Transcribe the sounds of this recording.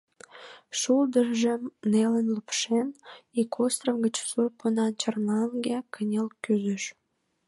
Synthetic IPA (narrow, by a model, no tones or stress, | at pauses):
ʃuld̪əʒəmnelənlupʃenikʰost̪rəmɣət͡ɕsurpunɑnt͡ɕərnɑŋɡekʰənʲelkyzəʃ